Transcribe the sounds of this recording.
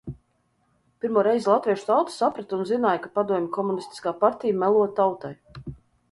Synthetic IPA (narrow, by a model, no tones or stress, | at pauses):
pʲiɾmuɔɾɛjzlˠat̪vʲiɛʃu̥t̪awt̪sapɾat̪unzinaːjkapad̪uɔmʲikʰɔmunist̪i̥skaːpaɾt̪ʲijamɛlˠuɔt̪awt̪aj